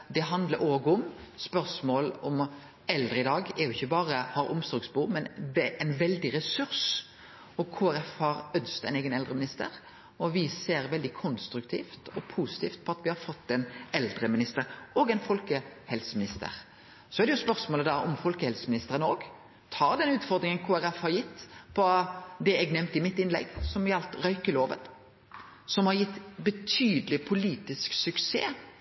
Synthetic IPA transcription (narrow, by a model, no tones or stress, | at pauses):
d̪ɛɦɑnd̪ləɾoːɡʊmspœɾsmoːlɔm | ɛld̪ɾəɪd̪ɑːɡɛɾjʊɪçːəbɑːɾəhɑɾʔʊmsɔːɡsbuːmɛnʋɛʔɛnʋɛld̪ɪɾɛsʉɾs | ɔkʰuːæɾɛfhɑɾœnst̪ɛɪneːɡənɛld̪ɾəmɪnɪst̪ə̰ɾ | ɔʋɪseːɾʋɛld̪ɪkʰɔnst̪ɾʉkt̪ʰiːft̪ɔ̰pʰusɪ̥t̪ʰiːft̪̚pʰɔɑt̪ʋɪhɑɾfɔt̪ːɛnɛld̪ɾəmɪnɪst̪əɾoːɡɛnfɔlkəhɛlsəmɪnɪst̪ə̰ɾ | sɔæɾd̪ɛjʊspœʁsmoːləd̪ɑɔmfɔlkəhɛlsəmɪnɪst̪əɾənəoːɡ | t̪ʰɑːɾd̪ɛnʉːt̪fɔʁd̪ɾɪŋənkʰoːæɾɛfhɑɾjɪt̪ːpʰɔd̪ɛɛɡnɛmt̪ɪmɪt̪ːɪnlɛ̰ɡsɔmjɑlt̪ɾœʏkəloːʋə̰n | sɔmhɑɾjɪt̪ːbət̪ʰyːd̪əlɪpʰʊliːt̪ɪsksʉksḛː